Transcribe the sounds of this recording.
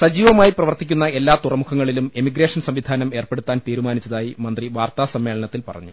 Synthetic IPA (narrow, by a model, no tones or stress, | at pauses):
sɐd͡ʑiːʋɐmaːjiprɐʋɐrt̪ikʲːunːɐe̞lːaːt̪urɐmukʰɐŋːɐɭilumemiɡɾe̞ːʂɐnsɐmʋid̪ʱaːnɐme̞ːrpe̞ɽut̪ːaːnt̪iːɾumaːnit͡ɕːɐðaːjimɐnd̪riʋaːrt̪aːsɐmːe̞ːɭɐɳɐt̪ːilpɐ̰rɐ̰ɲːu